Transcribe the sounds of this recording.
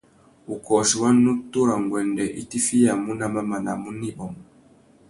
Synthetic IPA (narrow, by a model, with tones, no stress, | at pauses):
u˨kɔ˨ʃi˨wa˦nːu˦tu˦ɾa˨ŋ˨ɡwɛ˨ndɛ˨ʔḭ˦ti˦fi˦ja˨mu˦na˦ma˦ma˨na˨mu˦ni˦ɓɔ˨m